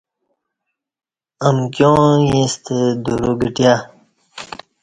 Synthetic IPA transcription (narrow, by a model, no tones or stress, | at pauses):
əmkjõjĩst̪ʰed̪uɾoɡəʈja